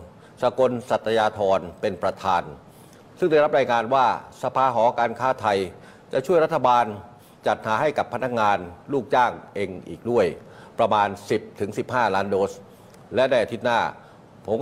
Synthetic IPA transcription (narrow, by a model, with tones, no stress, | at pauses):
sa˧ko˧nsa˨˩t̪ːa˧jaː˧t̪ʰɔː˧npe˧npɾa˧t̪ʰaː˧n | sɯ˥˩ŋda˥˩jɾa˦˥p̚ɾaː˧jŋaː˧nwaː˥˩sa˧pʰaː˧ɦɔː˩˦˥kaː˧nkʰaː˥˩t̪ʰa˧j | t͡ɕa˨˩t͡ɕʰu˥˩əjɾa˦˥t̪ʰːa˧baː˧n | t͡ɕa˨˩t̪̚haː˩˦ɦa˥˩jka˨˩pʰːa˧˥na˦˥k̚ŋaː˧nluː˥˩k̚t͡ɕaː˥˩ŋʔeː˧ŋʔḭː˨˩k̚du˥˩əjpɾa˧maː˧nsi˨˩p̚t̪ʰɯ˩˦ŋsi˨˩p̚haː˥˩laː˦˥ndoː˦˥s | lɛ˦˥da˥˩ʔa˧˩t̪i˦˥t̪̚naː˥˩ | pʰo˩˦m